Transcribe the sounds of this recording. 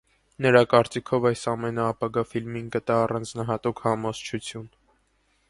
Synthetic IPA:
nəɾɑkɑɾt͡sikʰɔvɑjsɑmɛnəɑpɑɡɑfilminkət̪ɑːrɑnd͡znɑɦɑt̪ukʰhɑmɔz̥t͡ʃʰut͡sʰjun

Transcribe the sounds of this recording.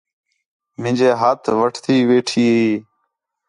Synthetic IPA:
mɪ̃d͡ʒeːɦaːt̪ʰʋəʈʰt̪ʰiːʋeːʈʰiːɦiː

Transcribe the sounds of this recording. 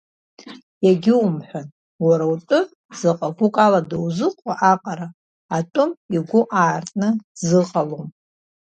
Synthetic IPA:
jaɡʲɪumħʷᶣan | waɾawtʼʊ | zaqʼakʷʊkʼaladawzɨqʷʼaʔaqʼaɾaː | tʼʊmiɡʷʊʔaːrtʼnɨzɨqʼalom

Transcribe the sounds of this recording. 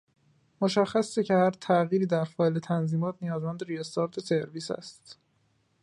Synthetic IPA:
mo̞ʃæxːæsecʰehæɾt̪ʰæɣiːɾiːd̪æɾfɒːlet̪ʰænziːmɒːt̪ʰnijɒːzmænd̪eɾijest̪ɒɾt̪ʰese̞ɾviːsæ̰st̪

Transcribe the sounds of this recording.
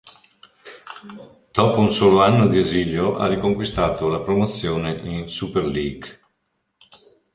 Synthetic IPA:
d̪̥ɔːpounsoːloanːod̪ieziljoʔa̰rikoŋkwist̪aːt̪olapɾomot̪sːjoːneʔinsuperliɡ

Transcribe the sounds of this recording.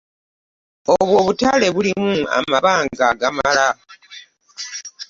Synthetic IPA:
oβwo̞ːβutale̞βulimua̰maβaːŋɡaɡamala

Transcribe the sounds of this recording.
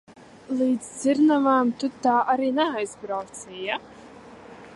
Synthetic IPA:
lˠiːd̪zzʲɪɾnavaːmt̪ʊt̪ːaːʔaɾiːnɛajzbɾawt̪sɛja

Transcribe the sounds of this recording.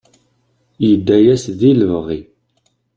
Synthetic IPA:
jəd̪ːæjæsðiləvʁi

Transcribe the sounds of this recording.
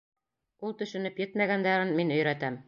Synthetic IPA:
ulˠt̪ɵ̆ʃɵ̆nɘpjɘt̪mæɡænd̪æɾɘnminɵ̆jɾæt̪æm

